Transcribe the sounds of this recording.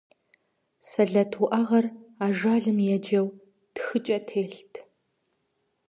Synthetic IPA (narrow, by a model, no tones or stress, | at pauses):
sɐɮɐtʰuʔɐʁɐraːʒaːɮɨmjɛd͡ʒɐw | txɨt͡ʃʼɐtʰeːɬtʰ